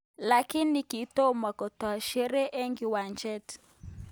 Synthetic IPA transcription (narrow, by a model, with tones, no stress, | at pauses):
la˨ki˦ni˨ki˨˦to˦ma˨kɔ˨ta˨ʃɛ˦ɾe˦ʔe˦ŋɡi˨wa˨nd͡ʒɛ˦t